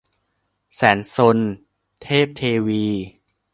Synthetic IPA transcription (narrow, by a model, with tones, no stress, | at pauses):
sɛː˩˦nso˧n | t̪ʰeː˥˩p̚t̪ʰeː˧wiː˧